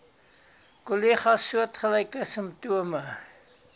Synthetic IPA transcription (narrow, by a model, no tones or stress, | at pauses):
koliχɑsːuətχəlɛjkəsəmp̚tuəmə